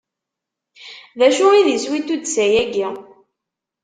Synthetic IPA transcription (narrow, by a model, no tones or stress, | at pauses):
ðæʃʊiðiswit̪ːud̪sæjæɡi